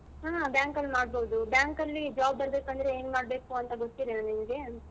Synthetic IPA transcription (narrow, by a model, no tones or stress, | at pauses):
ɦaːbjaːŋkɐlmaːɽboːd̪ubjaːŋkɐlːid͡ʒaːbbɐɾb̪eːkɐnd̪ɐɾeeːnmaːɽbe̞ːkuɐnt̪ɐɡot̪ːid̪enimɐɡe̞